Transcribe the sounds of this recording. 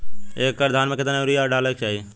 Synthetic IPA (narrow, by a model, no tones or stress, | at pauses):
eːkːəɾd̪ʱaːnmẽkɪt̪naɾijaːɾɖaːlək̚t͡ʃaːi